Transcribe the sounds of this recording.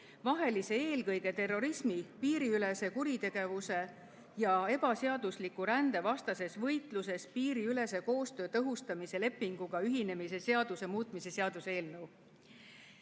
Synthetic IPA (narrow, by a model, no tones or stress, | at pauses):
vɑɦe̞lise̞e̞ːlkɤjɡ̥e̞t̪e̞rːo̞ɾismipiːɾiyle̞se̞kuɾit̪e̞ɡ̥e̞vuse̞ | jɑe̞b̥ɑseɑd̪uslikːˑuɾænd̪e̞vɑst̪ɑse̞svɤjt̪ˑlus̬e̞spiːɾiyle̞se̞ko̞ːst̪ø̞ːt̪ɤɦust̪ɑmise̞le̞pːiŋɡ̥uɡ̥ɑyɦine̞mise̞se̞ɑd̪̥use̞muːt̪ˑmise̞se̞ɑd̪̥use̞ːlnɤw